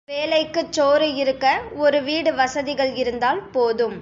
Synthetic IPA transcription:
ʋeːlɐɪkːɯt͡ʃːoːɾɯɪɾɯkːɐɔɾɯʋiːɽɯʋɐsɐðɪɣɐɭɪɾɯnd̪aːlpoːðɯm

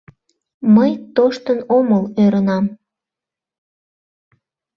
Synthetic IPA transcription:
məjt̪oʃt̪ənoməløɾənɑm

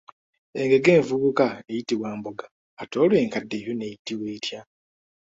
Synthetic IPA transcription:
e̞ŋɡe̞ɡe̞ːɱvuβukaejitiwaːmboɡaː | toːlwe̞ːŋkadːe̞jone̞jitiwe̞ːtja

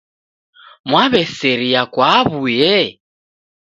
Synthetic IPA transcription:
mwaβɛsɛɾiakwaβujɛ

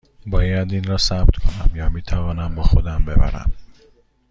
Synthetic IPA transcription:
bɒːjæd̪iːnɾɒːsæbt̪kʰo̞næmjɒːmiːt̪ʰævɒːnæmbɒːxod̪æmbḛbæ̰ɾæ̰m

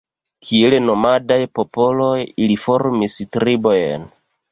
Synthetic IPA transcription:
kʰieleno̞madajpo̞po̞lo̞jilifo̞ɾmistɾibo̞jḛn

